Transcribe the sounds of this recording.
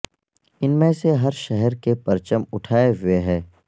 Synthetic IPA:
ɪnmẽseɦɐɾʃɛɦɛɾkepɐɾt͡ʃəmʊʈʰaːeɦʊeɦɛː

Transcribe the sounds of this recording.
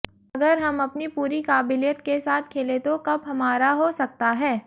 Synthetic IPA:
ɐɡəɾɦɐmɐpnipuːɾikaːbɪljət̪kesaːt̪̚ʰkʰeːlet̪okɐbɦɐmaːɾaɦosɐk̚t̪aɦɛː

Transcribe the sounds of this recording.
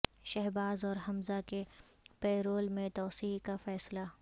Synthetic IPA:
ʃɛɦbaːzɔːɾɦɐmzakepɛːɾoːlmẽt̪ɔːsiːkafɛːsla

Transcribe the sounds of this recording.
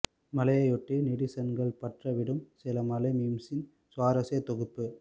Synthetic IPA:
mɐlɐjɐjɔʈːɯnɪɽɪsɐnɡɐɭpɐʈrɐʋɪɽɯmsɪlɐmɐlɐmiːmsɪn | saːɾɐseːt̪ɔɣɯpːɯ

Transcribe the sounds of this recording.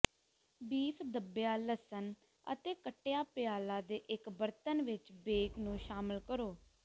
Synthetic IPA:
biːpʰd̪əbːejaːləsən | ə̰t̪eːkəʈːejaːpjaːlaːd̪eːʔɪkbəɾt̪ənʋɪt͡ʃbeːknũːʃaːməlkəɾoː

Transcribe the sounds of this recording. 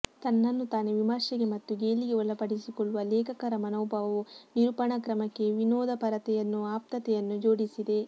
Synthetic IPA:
t̪ɐnːɐnːut̪aːneʋimɐɾʃɛɡe̞mɐt̪ːuɡeːliɡe̞ɔlɐpɐɽisikɔɭːuʋɐlɛːkʰɐkɐɾɐmɐnɐːbʱɐʋɐʋuniɾupɐɳɐkɾɐmɐkːe̞ʋinoːd̪ɐpɐɾɐt̪ɛjɐnːuaːp̚t̪ɐt̪ɛjɐnːud͡ʒo̞ːɽisid̪e̞

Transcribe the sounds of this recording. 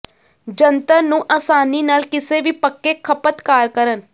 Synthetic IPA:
d͡ʒənt̪aːnũːʔaːsaːniːnaːlkɪseːʋiːpəkːeːkʰəpət̪kaːɾkəɾən

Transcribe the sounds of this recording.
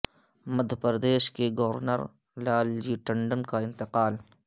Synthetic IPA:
məd̪ʱːəpɾəd̪eːʃkeɡɐʋəɾnə̰ɾ | laːld͡ʒiːʈə̃ɳɖənkaɪ̃nt̪ɪqaːl

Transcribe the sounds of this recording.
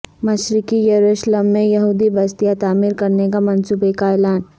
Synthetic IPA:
mɐʃɾɪkijɐɾuʃləmːẽjɐɦuːd̪ibɐst̪ijat̪aːmiɾkɐɾnekamɐnsuːbekaɛːlaːn

